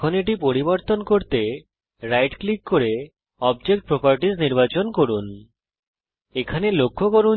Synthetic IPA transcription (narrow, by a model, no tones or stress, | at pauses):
oneʈ̬ipoɾiboɾt̪onkoɾt̪e | ɾajʈklikːoɾe | ɔbd͡ʑek̚ʈ̚pɾopaɾʈizniɾbat͡ɕonkoɾun | ekʰanelokʰːokoɾun